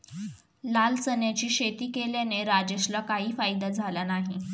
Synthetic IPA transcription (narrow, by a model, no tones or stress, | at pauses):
lalt͡sənjat͡ɕiːɕet̪iːkeljaneɾad͡ʑeɕlakaɦiːfajd̪ad͡zʱalanaɦi